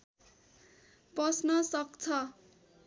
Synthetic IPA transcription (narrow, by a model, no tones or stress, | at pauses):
pʌsnʌsʌkt͡sʰʌ